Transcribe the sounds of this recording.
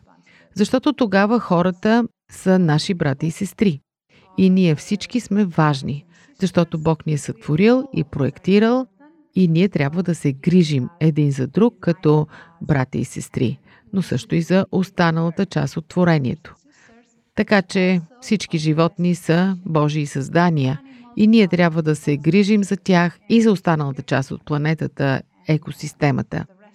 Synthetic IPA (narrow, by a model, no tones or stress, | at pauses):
zɐʃt̪ɔt̪ot̪oɡavəxɔɾət̪ə | sɐnaʃibɾat̪iːsɛst̪ɾi | iniɛfsit͡ʃkismɛvaʒni | zɐʃt̪ɔt̪obɔkniɛsɐt̪v̥oɾilˠḭpɾoɛkt̪iɾəlˠ | iniɛt̪ɾʲabvəd̪ɐsɛɡɾiʒimɛd̪inzɐd̪ɾukːɐt̪ɔbɾat̪ʲḭḭsɛst̪ɾḭ | nosɤʃt̪oizɐʔost̪anəlˠət̪ət͡ʃa̰st̪ot̪ːvoɾɛniɛ̰t̪o̥ | t̪ɐkat͡ʃɛfsit͡ʃkiʒivɔt̪nisəbɔʒiːsɐzd̪aniəiniɛt̪ɾʲjabvəd̪ɐsɛɡɾiʒimzɐt̪ʲaxizɐost̪anəlˠət̪ət͡ʃast̪o̰t̪̚plˠɐnɛt̪ət̪ə | ɛkosist̪ɛmə̰t̪ə̰